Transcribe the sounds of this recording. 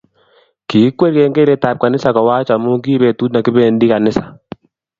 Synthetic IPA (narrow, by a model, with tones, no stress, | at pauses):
kiː˨˦kwe˦ɾke˦ŋɡe˦ɾe˨ta˨p̚ka˨nɪ˦sa˨kɔ˨wa˦t͡ʃa˨mu˦ŋɡiː˦βe˨tu˦tna˨kɪ˦bɛ˨ndi˦ka˨nɪ˦sḁ˨